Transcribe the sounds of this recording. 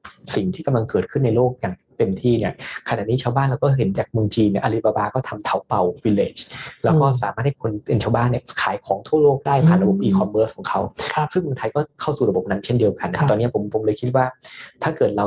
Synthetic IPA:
si˨˩ŋt̪ʰiː˥˩ka˧mla˧ŋkɤː˨˩t̪̚kʰɯ˥˩nːa˧jloː˥˩k̚jaː˨˩ŋt̪e˧mt̪ʰiː˥˩ni˦˥˩ɐkʰa˧na̰ː˨˩niː˦˥t͡ɕʰaː˧wbaː˥˩nlaː˧˦˥wkɔː˥˩ɦe˩˦nt͡ɕaː˨˩k̚mɯ˧ŋt͡ɕiː˧ni˥˩ʔa˧li˦˥˩baː˧baː˧kɔː˥˩t̪ʰa˧mt̪ʰa˦˥wpa˧wwi˧leː˨˩t͡ɕlɛː˦˥wkɔː˥˩saː˩˦maː˥˩t̚ha˥˩kʰo˧npe˧nt͡ɕʰaː˧wbaː˥˩nːi˥˩ɐkʰaː˩˦jkʰɔː˩˦ŋt̪ʰu˥˩ɐloː˥˩k̚daː˥˩jpʰaː˨˩nɾa˧bo˨˩p̚ʔiː˧kʰɔ˧mbɤː˦˥skʰɔː˩˦ŋkʰa˦˥wsɯ˥˩ŋmɯ˧ŋt̪ʰjkɔː˥˩kʰa˥˩wsuː˨˩ɾa˧bo˨˩p̚na˧˥ŋt͡ɕʰe˥˩ndi˧ə˧wka˧n˥t̪ɔː˧ni˦˥˩pʰo˩˦mpʰo˩˦mlɤː˧jkʰi˦˥t̪̚waː˥˩t̪ʰaː˥˩kɤː˨˩t̪̚ɾa˧

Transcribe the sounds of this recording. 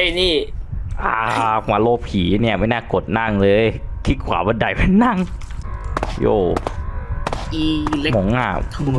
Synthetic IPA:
niː˧˥˩ʔaː˧˩˧kʰwaː˨˦loː˧˩p̚kʰiː˩˦ni˥˩ɐma˥˩jnɛː˥˩ko˨˩t̪̚na˥˩ŋlɤː˧jk̪ʰi˦˥kʰwa̰ː˨˦ba˧nda˨˩jpe˧˦nːa˥˩ŋ | joː˧˩ | iː˧˩lmo˩˦ŋʔa̰˧˩

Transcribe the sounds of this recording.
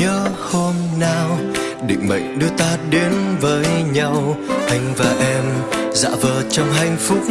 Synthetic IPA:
əː˨˦ho˧mnaː˧w | ɗḭ˧˨ŋ̟ɓə̰˧˨jŋ̟ɗɨ˧ət̪aː˧˦ɗe˨˦nvəː˨˦jɲa˧wʔa˨˧˩jŋ̟vaː˨˩ʔɛ˧mza̰ː˧˥vəː˨˩t͡ɕɔ˧wŋ͡mɦa˧˩jŋ̟fʊ˦˥k͡p̚

